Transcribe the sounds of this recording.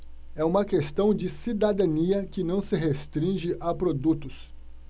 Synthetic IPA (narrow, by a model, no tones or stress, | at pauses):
ɛũmɐkest̪ɐ̃w̃d͡ʒɪsid̪ad̪ɐ̃niɐkɪnɐ̃w̃sɪɦest̪ɾĩʒɪʔapɾod̪ut̪ʊs